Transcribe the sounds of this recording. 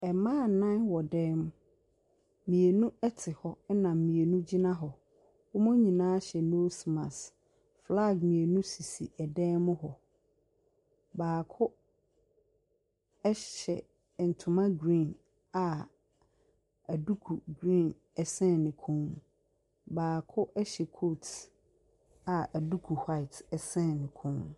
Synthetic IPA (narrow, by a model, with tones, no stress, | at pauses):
ɛ˨mã˦˨nã˦nwɔ˨dɛ̃˦m˦ | mĩ˨e˨nũ˦ɛ˦tʰɪ˨hɔ˦ɛ˦nã˨m˨mĩ˨e˨nũ˦d͡ʑi˦nã˦ɦɔ˨ | wʊ˦mʊ̃˦ɲĩ˨nãː˦ɕɛ˨no˦si˨mã̰˨s | fla˦˨ɡmĩ˨e˨nũ˦si˨si˨ɛ˨dɛ˦mʊ̃˦ɦɔ˨ | baː˨kʰʊ˦ | ɛ˦ɕɛ̰˨ | n̩˨tʰʊ̃˨mã˦ɡɾĩ˦˨n | a˨ | æ˨du˦kʰu˨ɡɾĩ˦˨n | ɛ˨sɛ̃˦˨nːɪ̃˨kʰũ˦m | baː˨kʰʊ˦ʔɛ˦ɕɛ˨kʰo˦˨t | a˨æ˨du˦kʰu˨ha˦ɪ˨tɛ˨sɛ̃˦˨nɪ̃˨kʰʊ̃˦m